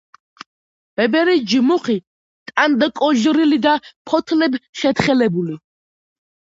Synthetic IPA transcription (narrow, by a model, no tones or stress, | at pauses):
b̥ɛbɛɾid͡ʒmuχi | t̪ʼand̪akʼɔʒɾilid̪apʰɔt̪ʰlɛbʃɛt̪χɛlɛbuli